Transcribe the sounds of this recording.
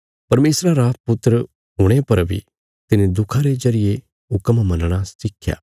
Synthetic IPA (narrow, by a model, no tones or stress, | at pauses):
pɐɾmeːsɾaɾapʊt̪ːɾə | ɦʊɽ̃epɐɾbʱḭ | t̪ɪnẽd̪ʊkʰaɾed͡ʒɐɾɪje | ʊkəmmɐnɽ̃asɪkʰːja̰ː